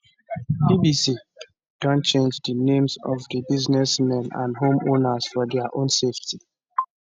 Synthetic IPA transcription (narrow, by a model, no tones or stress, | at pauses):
bibisi | d̥ɔ̃nt͡ʃẽnd͡ʒdənẽmzɔvdəbiznɛsmɛ̃nã̰ndɦõmonaz̥fɔdɛaʔõnsefti